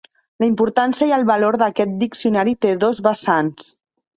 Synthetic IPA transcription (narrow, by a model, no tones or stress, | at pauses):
ləimpuɾt̪ansiəiəlˠβaloɾðəkɛt̪̚d̪iksiunaɾit̪eðɔzβəsans